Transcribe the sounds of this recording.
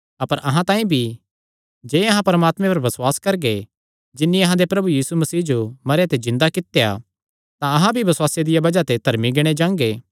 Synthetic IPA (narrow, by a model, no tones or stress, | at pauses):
ɐpəɾʔɐɦãt̪ãːĩbʱi | d͡ʒeːɐɦãpɐɾmaːt̪mẽpɐɾʋɐswaːskɐɾɡe | d͡ʒɪnːiɐɦãd̪epɾɐbujiːsumɐsiːɦd͡ʒomɐɾejat̪ezɪ̃nd̪akɪt̪eja̰ | t̪ãɐɦãbʱibɐswaːsjad̪ɪjabɐd͡ʒat̪ed̪ʱɐɾmiɡeːɽ̃ed͡ʒãːŋɡeː